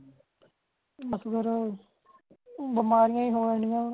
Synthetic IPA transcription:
məsɡəɾ | bəmaːɾɪjãːĩːɦoːɽaːnɪjãː

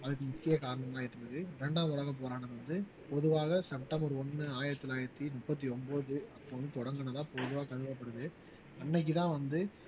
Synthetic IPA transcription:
ɐðɯkːɯmʊkːɪjɐkaːɾɐɳɐmaːɪʈːɯnɐðɯɾɛɳɖaːmʊɻɐɣɐp̬oːɾaːnɐʋɐnd̪ɯ | pɔðɯʋaːɣɐsɛpʈɐmbɐɾɔnːɯaːjɪɾɐt̪ːɪlaːjɪɾɐt̪ːinʊpːɐt̪̬ːiɔmboːðɯɐpːoːʋɐnd̪ɯt̪ɔɽɐŋɡɯɳɐt̪ãːpɔðɯʋaːɣɐkɐðɪʋɐpːɐɽɯðɯ | ɐnːɛk̬ːɯt̪ãːʋɐnd̪ɯ

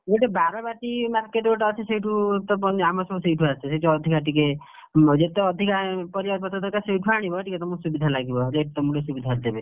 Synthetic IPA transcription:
ɡeʈebaɾɔbaʈimaɾkeʈoʈːt͡ʃʰisejʈʰut̪ɔpɔnamɔsɔbɔseʈʰuasesejʈeɔd̪ʱikaʈike | d͡ʒet̪eɔd̪ʱikapɔɾibad̪̚pɔt̪ɔt̪ɔkasejʈʰuaɽ̃ibɔʈiket̪ɔmusubid̪ʱalaɡibɔd͡ʒeʈut̪ɔmũɖesubid̪ʱad̪ebe

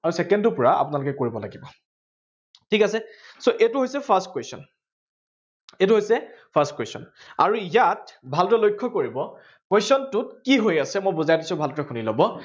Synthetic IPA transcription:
aɹusɛkɛndʊpʊɹaa̰pʊnalʊkɛkoɹibɔlaɡibɔ | tʰikasɛsoʔetʊɦojsɛpʰastkwesɔn | etuɦojsɛpʰastkwesɔ̰n | a̰ɹuijatbʱaltɔɛlojkʰːɔkoɹibɔ | kwesɔntʊtkiɦojasɛmojbozajtisʊbʱaltɔɛxunilobɔ

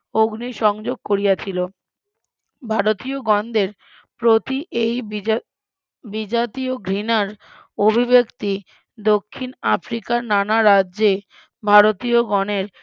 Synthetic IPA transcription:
oɡniʃɔŋd͡ʑoɡ̚koɾijat͡ɕʰilo | bʱaɾot̪ioɡɔnd̪eɾ | pɾot̪iʔej | bid͡ʑat̪ioɡʱɾinaɾ | obʱibekt̪i | d̪okʰːinafɾikaɾnanaɾadʑe | bʱaɾot̪ioɡɔneɾ

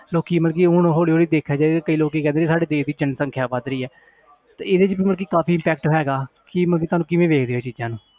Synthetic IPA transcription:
loːkiːməlk̬iːʊɳɦoːɽiːɦoːɽiːd̪eːkʰjaːd͡ʒaːekəiːloːk̬iːkɛ̃ːnd̪esaːɖeːd̪eːsd̪iːd͡ʒənsə̃ŋkʰjaːbad̪ɾiːɛː | t̪eɪd̪eːt͡ʃbiːməlk̬iːkaːpʰiːmpɛːk̚ʈɦɛːɡaːkɪməlkiːt̪oaːnũːkɪʋẽːʋeːkʰd̪eːeːt͡ʃiːd͡ʒãːnũː

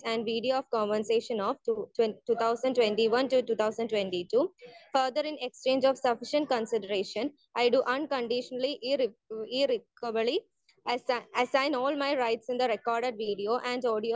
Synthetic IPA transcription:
æ̃ɳɖʋiːɖioɔːʋkɔ̃ːnʋə̃nseːʃə̃nɔʋʈʈuːt̪ʰaʊsə̃ɳɖʈʋẽɳʈiʋʌ̃nʈuʈuːt̪ʰaʊsə̃ɳɖʈwẽɳʈiʈuːfəɾd̪əɾɪ̃nekst͡ʃẽːnd͡ʒɔːʋsʌfɪʃə̃ɳʈ̚kə̃nsɪɖəɾeːʃə̃n | aɪɖuʔʌ̃nkə̃ɳɖɪʃənəliʔɾiɾɪkəbli | əsãɪ̃nɔːlmaɪɾaɪʈsɪ̃nd̪əɾekɔːɾɖeɖ̚ʋiːɖioːʔæ̃ɳɖɔːɖio

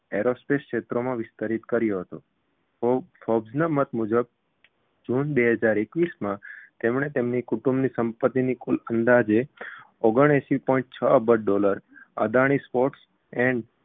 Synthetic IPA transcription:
eɾospeskʃet̪ɾomãʋɪst̪əɾit̪kəɾjoɦət̪o | fɔbznamət̪mud͡ʒəb̚ | d͡ʒunbeɦəd͡ʒaɾekʋismãt̪emɽ̃et̪emnikuʈumbnisəmpət̪ːinikulənd̪ad͡ʒe | ɔɡəɽ̃eʃipɔ̃ĩɳʈ̚t͡ʃʰəəbəɖ̚ɖoləɾə̰d̪aɽ̃ispoʈs | ɛ̃ɳɖ

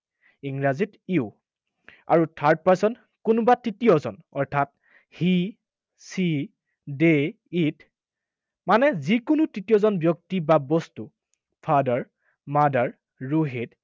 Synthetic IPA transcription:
iŋɹazitiu | a̰ɹutʰaɹt̚paɹsɔn | kʊnʊbatɹitijɔzɔnɔ̰ɹtʰat̚ | hi | si | de | it | manɛzikʊnʊtɹitijɔzɔnbjɔk̚tibabɔstu | pʰadaɹ | madaɹ | ɹuɦid

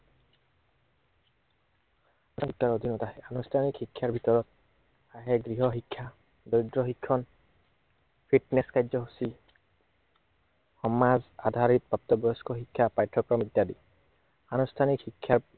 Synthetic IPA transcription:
ikʰːaɹod̪ʱinɔtaɦɛanustʰanikxikʰːjaɹbʱitɔɹɔt̚ | aɦɛɡɹiɦɔxikʰːa | dojdɹɔxikʰːɔn | pʰitnɛskajzɔɦusi | xɔmazadʱaɹit̪̚b̥ap̚tɔbɔjɔskɔxikʰːapajtʰːɔkɹɔmidjadi | anustʰanikhikʰːjaɹ

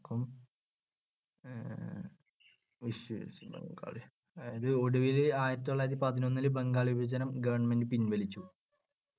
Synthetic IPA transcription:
kːum | ʋiɕbḛŋɡa̰ːɭi | ðɨoɽuʋilaːjɐt̪ːoɭːaːjɾɐt̪ːipɐðino̞nːilɨbeŋɡaːɭibid͡ʑɐnɐmɡɐʋɐɳmendɨpinʋɐlit͡ɕːu

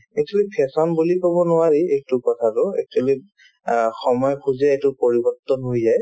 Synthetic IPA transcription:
ɛktʰulipʰɛsɔnbulipabɔnʊaɹiejtʊkɔtʰatʊɛ̰k̚tʰali | xɔmɔjɔkʰuzaetʊpoɹibɔɹtɔnɦojzaj

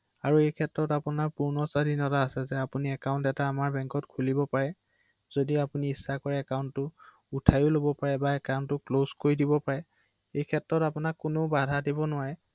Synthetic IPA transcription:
aɹuejkʰɛtːɹɔtapunaɹpuɹnɔsadʱinɔtaːsɛzɛapuniɛkaʊ̃ntɛtaːmaɹbɛŋkɔtkʰulibɔpaɹɛ | z̥odiapuniːsːakɔɹɛɛkaʊntːʊ | utʰajʊlobɔpaɹɛbaɛkawntːʊklozkoɹidibɔpaɹɛ | ejkʰɛtɹɔtapunakːʊnobadʱadibɔnʊwaɹɛ

